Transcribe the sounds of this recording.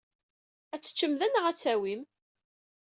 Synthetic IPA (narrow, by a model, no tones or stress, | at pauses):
æt͡sːə̥t͡ʃːəmðænəʁæt͡sːæwim